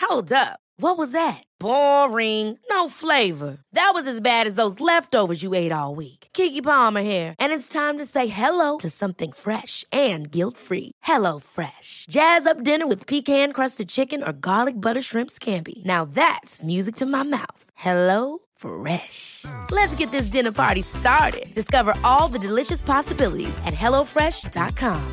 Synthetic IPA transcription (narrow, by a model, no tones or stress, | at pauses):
hoʊlˠdʌp̚wʌt̚wʌzðɨt̚b̥ɔɹɪ̃ŋnoʊfleɪvə˞ðɨt̚wʌzɨzbæɾɨzðoʊzlɛftoʊvə˞zjɨeɪɾɔlˠwikkʰikipɑmə˞hiɹʔɨ̃nɨtstʰãɪ̃mtɨseɪɦɛloʊɾɨsʌ̃mθɪ̃ŋfɹɛʃɨ̃nɡɪlˠtfɹḭhɛloʊfɹɛʃd̥ʒ̥æzʌp̚d̥ɪ̃nə˞wɨð̥pʰikhæ̃nkʰɹ̥ʌstɨd̚t͡ʃʰɪkɨ̃nə̰˞ɡɑlˠɨk̚b̥ʌɾə˞ʃɹɪ̃mpskʰæ̃mpḭnaʊðætsmjʉzɨk̚tʰɨmaɪma̰ʊθhɛloʊ | fɹɛʃlɨtsɡ̥ɛt̪̚ðɪs̬d̥ɪ̃nə˞pʰɑ̰ɹɾistɑɹɾɪ̰d̚d̥ɨskʌvə˞ʔɔlˠðɨdɨlɪʃɨspʰɑsəbɪlˠə̰ɾḭzɨ̰t̚hɛlˠoʊfɹɛʃd̥ɑ̰t̚kʰɑ̃m